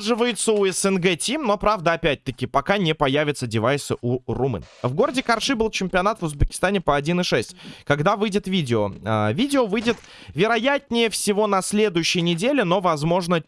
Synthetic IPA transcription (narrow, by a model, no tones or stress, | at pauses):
ʐɨvəjɪt̪səʊɛsɛnɡɛtʲimno̞pɾavd̪əɐpʲæt̚ʲt̪əkʲɪpɐkanʲɪpɐjævʲɪt̪sədʲɪvajsɨʔurumɨ̰nvɡo̞ɾədʲɪkɐrʂɨbɨlˠt͡ɕɪmʲpʲɪɐn̪at̪vʊzbʲɪkʲɪ̥st̪anʲɪpəɐdʲinɨʂɛsʲtʲkɐɡd̪avɨjdʲɪt̪vʲidʲɪovʲidʲɪovɨjdʲɪt̪ | vʲɪɾɐjætʲnʲɪjəfsʲɪvo̞nɐsʲlʲe̞d̪ʊjʉɕːɪjənʲɪdʲelʲɪno̞vɐzmo̞ʐnə